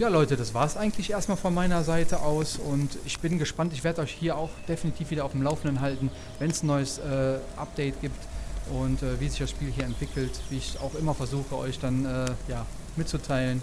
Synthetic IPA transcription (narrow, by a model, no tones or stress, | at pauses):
jaːlɔʏtədasv̥aːɐsʔaɪɡŋn̩tʰlɪçʔeːɐstmaːlfɔnmaɪnɐzaɪtəʔaʊsʊntɪçb̥ɪnɡəʃpantɪçv̥eːɐdəɔʏçhiːɐaʊxd̥efinitʰiːfviːdɐaʊdɪmlaʊfn̩dənɦaltn̩ | vɛnsn̩nɔʏəsʔɛːʔa̰p̚d̥ɛɪtɡ̥iːptʔʊntʔɛːviːzɪçd̥asʃpiːlɦiːɐɛntv̥ɪkʰl̩tv̥iːɪça̰ʊxʔɪmɐfɛɐzuːxəɔ̰ʏçd̥anɛːjaː | mɪtt͡sutʰaɪlən